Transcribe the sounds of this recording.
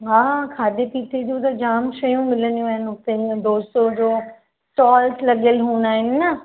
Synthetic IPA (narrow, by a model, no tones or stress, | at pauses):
ɦãːkʰaːd̪eːpiːt̪eːd͡ʒ̪oːd̪ad͡ʒaːmʃəjũːmɪlənĩmɛːnɦoːt̪ẽd̪oːsoːd͡ʒoː | sʈɔːlsləɡəlɦuːnaːɦɪnːa